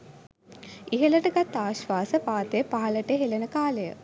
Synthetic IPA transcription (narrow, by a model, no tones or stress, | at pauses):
iɦələʈəɡat̪ːaːʃʋaːsəpaːt̪ejəpaɦɐləʈəɦelənəkaːləjə̰